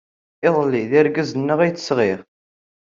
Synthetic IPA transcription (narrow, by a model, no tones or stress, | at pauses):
ɪðˤlːiðiɾɡəzənːəʁæjt͡sːə̥sʁiʁ